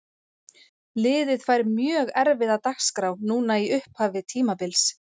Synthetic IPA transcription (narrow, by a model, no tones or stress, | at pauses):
lɪːðɪðfaːjɾmjœːɣɛɾvɪðawt̪axskɾawnuːnaiʏhphaːvɪt̪ʰiːmapɪls